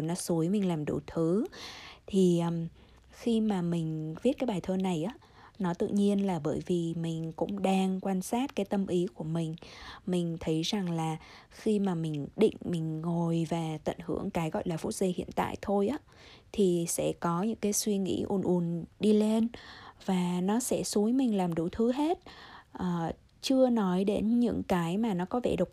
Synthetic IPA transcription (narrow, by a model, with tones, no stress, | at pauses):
nɔ˨˦su˨˦əjmï˨˩ŋ̟laː˨˩mɗṵ˧˩t̪ʰɨ˨˦t̪ʰi˨˩ʔm | xi˧maː˨˩mï˨˩ŋ̟vi˦˥t̚kaː˨˦jɓaː˨˩jt̪ʰəː˧na˨˩jʔaː˨˦ | nɔ˨˦t̪ɨ̰˧˨ŋɲi˧ənlaː˨˩ɓəː˧˩jvi˨˩mï˨˩ŋ̟kʊ̰˧˥ŋ͡mɗaː˧ŋkwaː˧nsaː˦˥t̚kaː˨˦jt̪ə˧mʔi˨˦ku˧˩əmï˨˩ŋ̟mï˨˩ŋ̟t̪ʰə˨˦jza˨˩ŋlaː˨˩ | xi˧maː˨˩mï˨˩ŋ̟ɗḭ̈˧˨ŋ̟mï˨˩ŋ̟ŋo˨˩jvaː˨˩t̪ə̰˧˨nhɨ˧˩əŋkaː˨˦jɣɔ̰˧˨jlaː˨˩fu˦˥t̚zi˧˩hḭ˧˨ənt̪a̰ː˧˨jt̪ʰo˧jʔaː˨˦ | t̪ʰi˨˩sɛ̰˧˥kɔ˨˦ɲɨ̰˧˥ŋkaː˨˦jswi˧ŋḭ˧˥ʔu˧˨˩ənʔu˨˩ənɗi˧le˧nvaː˨˩nɔ˨˦sɛ̰˧˥su˨˦jmï˨˩ŋ̟laː˨˩mɗṵ˧˩t̪ʰɨ˨˦ɦe˦˥t̚ʔəː˨˩ | t͡ɕɨ˧ənɔ˨˦jɗe˨˦nɲɨ̰˧˥ŋkaː˨˦jmaː˨˩nɔ˨˦kɔ˨˦vḛ˧˩ɗɨ˨˩w̚k͡p̚